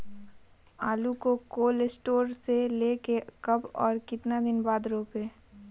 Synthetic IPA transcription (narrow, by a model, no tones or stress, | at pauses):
aːlukokoːlsʈoːɾselekekɐbɔːɾkɪt̪nad̪ɪnbaːd̪ɾoːpeː